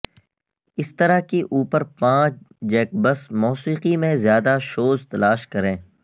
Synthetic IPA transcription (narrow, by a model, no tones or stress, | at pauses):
ɪst̪ɐɾakiʔuːpəɾpãːt͡ʃd͡ʒɛːk̚bɐsmɔːsiːqimẽzjaːd̪aʃoːzt̪ɐlaːʃkɐɾẽː